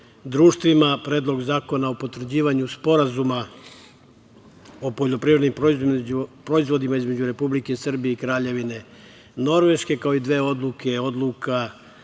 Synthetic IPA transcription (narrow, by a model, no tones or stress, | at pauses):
d̪ɾuːʃt̪ʋimapɾe̞ːd̪lˠo̞ɡzaːko̞naopo̞t̪ɾ̩d͡ʑiːʋaɲuspo̞ɾazuma | opoʎo̞pɾiʋɾed̪nimp | pɾo̞izʋo̞d̪imaizme̞d͡ʑuɾe̞publike̞sr̩bije̞ikɾaːʎe̞ʋine̞ | no̞ɾʋe̞ʃke̞kao̞id̪ʋe̞ːo̞d̪luke̞o̞d̪lˠuka